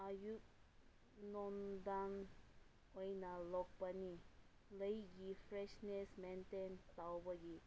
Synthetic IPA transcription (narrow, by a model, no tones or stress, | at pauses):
ajuk̚ | nɔnd̪an | ɔjnalɔk̚pani | ləjɡifɾɛʃnesmɛntent̪awbəɡi